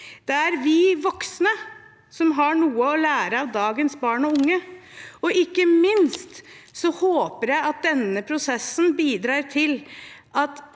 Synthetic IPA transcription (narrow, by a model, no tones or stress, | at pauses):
d̪̥ɛæɾʋɪʋɔksnə | sɔmɦɑɳuːəɔlæːɾəɑʋd̪ɑːɡənsbɑːɳɔʊŋːəɔɪkːəmɪnst̪sɔhoːpəɾjæɪɑt̪̚d̪ɛnːəpʰɾʊsɛsnbiːd̪ɾɑːɾt̪ʰɪlʔɑt̪